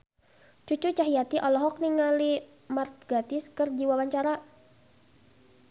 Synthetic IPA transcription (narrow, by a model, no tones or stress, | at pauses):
t͡ʃut͡ʃut͡ʃaɦijat̪iʔɔlɔɦɔk̚niŋali | mart̪̚ɡat̪ɪskərd͡ʒiwawaɲt͡ʃaɾa